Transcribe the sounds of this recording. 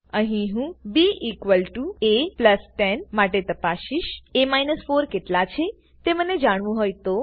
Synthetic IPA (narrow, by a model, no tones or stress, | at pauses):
əɦĩɦũbiikʋəlʈuepləsʈɛnmaʈet̪əpaʃiʃemajnəsfoɾkeʈlat͡ʃʰe | t̪eməned͡ʒaɽ̃ʋũɦojt̪o